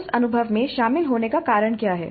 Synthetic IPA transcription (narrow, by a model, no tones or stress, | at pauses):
sɐnʊbʱəʋmẽʃaːmɪlɦoːnekakaːɾəɽ̃kjaːɦɛ̰ː